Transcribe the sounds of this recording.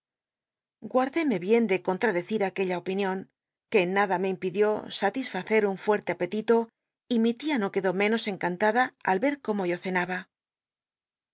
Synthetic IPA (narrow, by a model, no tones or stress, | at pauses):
ɡwaɾðe̞me̞βje̞nd̪e̞ko̞nt̪ɾaðe̞θiɾake̞ʎaopinjo̞ŋ | ke̞ːnːaðame̞impiðjo̞sat̪isfaθe̞ɾuɱfwe̞ɾt̪e̞ape̞t̪it̪o̞ | imit̪iano̞ke̞ðo̞mẽ̞no̞se̞ŋkant̪aðaa̰lβe̞ɾko̞mo̞ʝo̞θe̞naβa